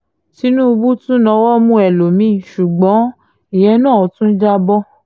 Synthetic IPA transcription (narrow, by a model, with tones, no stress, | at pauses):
ti˨˦nũ˦˧bu˦tũ˦nã˧˦wɔ˦mũ˦ɛ˨lo˨mĩ˨˦˨ʃu˨ɡ͡bɔ̃˨˦ | i˨jɛ˧˦nã˦˨ɔ˨˦tũ˦n̩˦d͡ʒa˦bɔ˦